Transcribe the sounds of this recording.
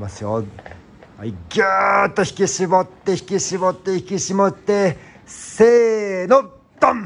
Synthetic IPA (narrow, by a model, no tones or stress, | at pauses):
masɨjo | aiɡʲat̪ːoçi̥kʲiɕibot̪ːeçi̥kʲiɕibot̪ːeçi̥kiɕimot̪ːe | seno | t̪ːom